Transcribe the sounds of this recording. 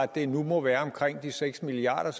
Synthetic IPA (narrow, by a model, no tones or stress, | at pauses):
æd̥ːe̝numɒ̽ʋæːɐɒ̽mkʰʁeŋ̰d̥iseɡ̥smiliɑ̰̈ːɾ̥ɐs